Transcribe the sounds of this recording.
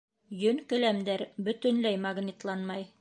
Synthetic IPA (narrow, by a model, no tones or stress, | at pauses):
jɵŋkɘ̆læmd̪æɾbɵ̆t̪ɵ̆nlæjmɑɡnʲit̪lˠɑnmɑj